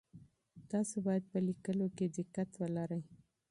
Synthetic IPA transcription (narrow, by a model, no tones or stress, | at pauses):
t̪ɑsobɑjad̪̚pəlikəloked̪ɪqːat̪wəlaɾəj